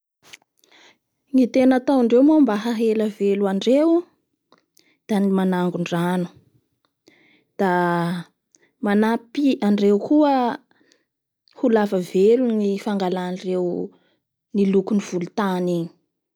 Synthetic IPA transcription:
ŋit̪enat̪awaɳɖ͡ʐewmombaɦaɦeləveluaɳɖ͡ʐew | d̪̥animanaŋɡuɳɖ͡ʐanu̥ | d̪̥a | manapiʔaɳɖ͡ʐewkuə | hulavəvelunifaŋɡalanrew | nilukuniv̥ulut̪aniɲi̥

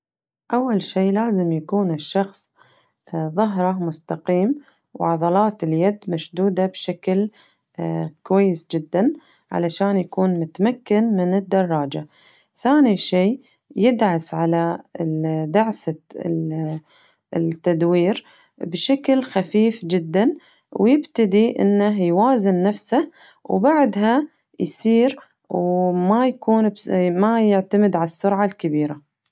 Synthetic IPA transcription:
ʔawːalʃiːlaːzɪmjakuːnɪʃːɑxsˤ | ðˤɑɦɾˤɑmʊst̪aqiːm | wʕɑðˤɑlɑːt̪ɪljad̪maʃd̪uːd̪abʃakl | kwajːɪsd͡ʒɪd̪ːan | ʕa̰laʃaːnjakuːnmʊt̪amakːɪnmɪnɪd̪ːɑrˤːɑːd͡ʒa | θaːniʃiː | jɪd̪ʕasʕala | d̪aʕsa | t̪ːad̪wiːɾ | bʃaklxafiːfd͡ʒɪd̪ːan | wjɪbt̪ad̪iʔɪ̰nːaɦjwaːzɪnːafsa | wbaʕd̪ɦa | jsiːɾ | wmajakuːnbmajɪʕt̪amɪd̪ʕalasːʊɾʕalkabiːɾa

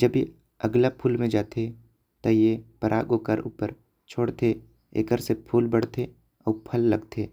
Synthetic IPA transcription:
d͡ʒəbe | əɡlapʰuːlmẽd͡ʒaːt̪ʰe | t̪ojepəɾʔa̰ːɡokəɾṵːpəɾ | t͡ʃʰoːɽt̪ʰe | ḛːkəɾsepʰuːlbəɽ̤t̪ʰe | ɔːpʰəlːəɡt̪ʰeː

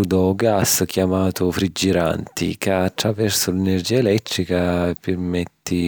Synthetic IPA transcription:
d̪ɔɡask̟jamaːt̪ʊfɾid͡ʒːiɾa̰nt̪ḭkaːt̪ːɾavɛrsʊlɛnerd͡ʒiːaelɛt̪ːɾikapɪrmɛt̪ːi

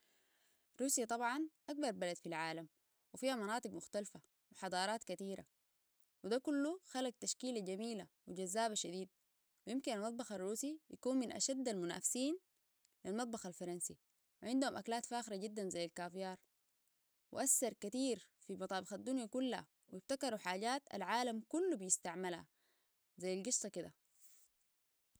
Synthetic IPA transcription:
ɾuːsjat̪ˤɑbʕɑnʔak̚bɑɾˤbalad̪filʕaːlam | wifiːhamɑnɑːt̪ˤɨɡmʊxt̪alfa | wiħɑd̪ˤɑːɾˤɑːt̪kat̪iːɾa̰ | wid̪akulːuxalaɡ̚t̪aʃkiːlaɟamiːlawiɟazːaːβaʃad̪iːd̪̚ | wijimkinalmɑt̪̚ˤbɑxarˤːuːsijakuːnminʔa̰ʃad̪ːalmuna̰ːfsiːn | lilmɑt̪̚ˤbɑxalfɑɾˤɑnsi | wiʕɪnd̪uhumʔaklaːt̪faːxiɾaɟid̪ːanzajːalkaːfijɑːɾˤ | wɪ̰ʔasːɑɾˤkat̪iːɾfimɑt̪ˤɑːbɪxad̪ːunjakulːha̰ | wijibt̪akɑɾuħaːɟaːt̪a̰lʕaːlamkulːubijist̪aʕmalha̰ | zajːalɡɨsˤːɑkid̪a̰

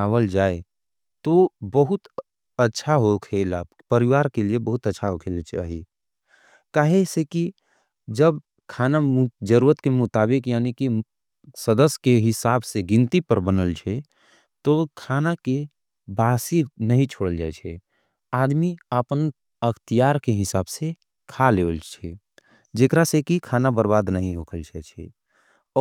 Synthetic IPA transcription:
aːwəld͡ʒaːe | t̪obəɦʊt̪ | ətːʃʰaɦokʰeːla | pəɾɪʋaːɾkeliebəɦʊt̪ətːʃʰaɦokʰeːlat͡ʃa̰ːɦi | kaːɦeseki | d͡ʒəb | kʰaːnad͡ʒəɾuːɾət̪kemʊt̪aːbɪkjaːniki | səd̪əsjkeɦɪsaːbseɡɪ̃nt̪ipəɾbənəlt͡ʃʰɛ | t̪okʰaːnake | baːsinəɦĩt͡ʃʰoːɽəld͡ʒa̰ːɛt͡ʃʰɛ | aːd̪miəpən | əkt̪ijaːɾkeɦɪsaːbse | kʰaleːʋəlt͡ʃʰɛ | d͡ʒekɾasekikʰaːnabəɾbaːd̪nəɦĩɦoːkʰəlt͡ʃʰɛt͡ʃʰɛ̰ | ɔ

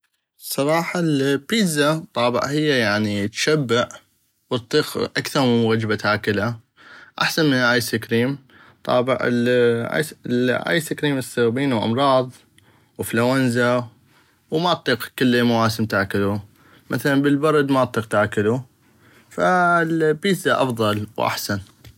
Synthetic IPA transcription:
sˤɑɾˤɑːħɑlpiːzat̪ˤːɑːbɪ̰ʕhɪjːajaʕnit̪ʃabːɪʕ | wɨt̪ˤːiːqʔakθɑɾˤmɪnwad͡ʒbat̪haːkɪla | ʔa̰ħsanmɪnʔajsɪkɾiːm | t̪ˤɑ̰ːbɪ̰ʕ̰la̰lʕa̰jsakɾiːmɨsːɨɣbiːnwʔɑ̰mɾˤɑːðˤ | wflawanza | wmat̪ˤːiːqkɪlːimawaːsɪmt̪aʕkɪlu | mʔaθalanbəlbɑɾˤd̪maʔt̪ˤːiːq̚t̪aʕkɪlu | falbiːsaʔɑ̰fðˤɑlwʔa̰ħsan

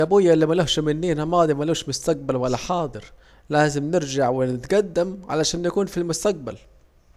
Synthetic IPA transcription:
ʔabʊjːaʔɪlːimalohʃmɪnːiːnamɑːd̪ˤimaluːʃmʊst̪aq̚balwalːaħɑːd̪ˤɨɾ | laːzɪmnɪɾd͡ʒaʕwɪnɪt̪ɡad̪ːamʕa̰laʃaːnjakuːnfilmʊst̪aq̚ba̰l

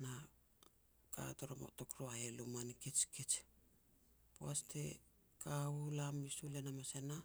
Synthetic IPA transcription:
na | ka̰toɾomo̰to̞kɾoaelumaniket͡ʃket͡ʃ | poaste̞̰ | kaulamisulenamasena

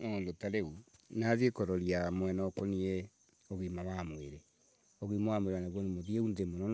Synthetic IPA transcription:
ondotaɾeunaðekɔɾɔɾiamwɛnɔkonie | oɣimawamweɾe | ɔɣimawamoeɾwanaɣwonemoðieundemonɔ

